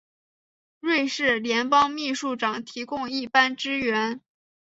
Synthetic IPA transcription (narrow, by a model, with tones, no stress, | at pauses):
ɻwe˥˧ɪʂɻ̩˥˩ljɛ˧˥npɑ˥ŋmi˥˧ʂu˥˩ʈ͡ʂɑ˨˩ŋt̪ʰi˧˥kʊ˥˧ŋi˥˩pa˥nʈ͡ʂɻ̩˥ɥɛ˧˥n